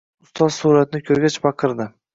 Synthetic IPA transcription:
ʊst̪ɒzsuɾat̪nɪkʲʰɵɾɡʲat͡ʃbɑqʰɨɾd̪ɪ

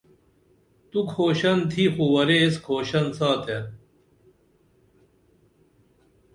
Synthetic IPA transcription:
t̪ukʰoːɕɐnt̪ʰixuwɐɾeskʰoːɕɐnsaːt̪ʰe

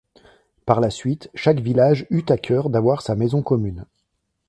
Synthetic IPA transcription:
paʁlasɥit̪ʃakvilaʒyt̪akʲʰœʁd̪avwaʁsamezɔ̃kɔmyn

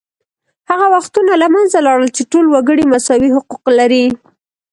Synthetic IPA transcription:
haɣawaxt̪unalamanzalɑɽəlt͡ʃeʈolwaɡəɽimasɑwiɦʊquqlaɾi

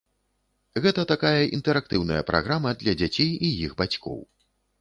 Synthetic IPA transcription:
ɣɛt̪ɐt̪akajɐʔḭnt̪ɛɾak̚t̪ɨwnɐjɐ̰pɾa̰ɣɾamɐd̪lʲɐd͡zʲat͡sʲejijiɣbat͡sʲkɔ̰w

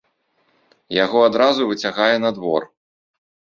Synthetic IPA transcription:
jaɣɔad̪ɾazuvɨt͡sʲaɣajɛnɐd̪vɔr

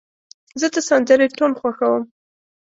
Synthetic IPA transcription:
zəd̪əsand̪əɾeʈolxwaxawəm

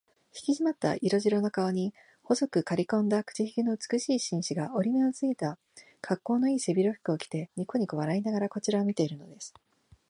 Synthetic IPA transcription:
çi̥kʲiʑimat̪ːa̰ʔiɾo̞ʑiɾo̞no̞kaoɲ̟i | ho̞zo̞kɯ̟kaɾʲikõ̞nd̪akɯ̥t͡ɕiçi̥kʲino̞ɯt͡sɨ̥kɯ̟ɕiːɕĩɰ̃ɕiɡao̞ɾʲime̞ot͡sɨit̪a | kʰakːo̞ːno̞iːse̞bʲiɾo̞ɸɯ̟̥kɯo̞kʲi̥t̪e̞ɲikoɲ̟ikoβaɾainaɡaɾako̞t͡ɕiɾaomʲit̪e̞iɾɯ̟no̞̰d̪e̞sɨ̥

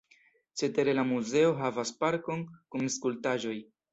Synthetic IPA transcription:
t͡ʃe̞te̞ɾe̞lamuze̞o̞ɦavaspaɾko̞nkumskultaʒo̞j

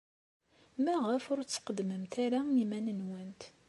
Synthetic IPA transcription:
mæʁəfʊɾt͡sːə̥qəd̪məmt̪aɾaimænənwænt̪

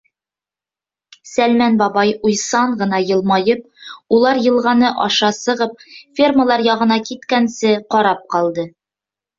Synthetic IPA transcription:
sælmænbɒbɑjujsɑɴɢɤ̆n̪ɑjɤ̆lˠmɑjɤp̚ulˠɑɾjɤ̆lˠʁɑnɤʔɒʃɑsɤ̆ʁɤp̚fʲerməlˠɑɾjɒʁɤ̆nɑkit̪kænsɘqɒɾɑp̚qɒlˠd̪ɤ

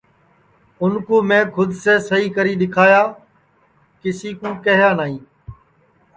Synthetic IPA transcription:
ʊnkõːmẽːkʰʊd̪ʱseːsəɦiːkəɾiːɗɪkʰaːjaː | kɪsiːkũːkəɦjaːnaːɦĩː

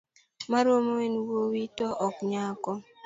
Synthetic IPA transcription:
maɾomowenwowitɔʔɔkɲakɔ

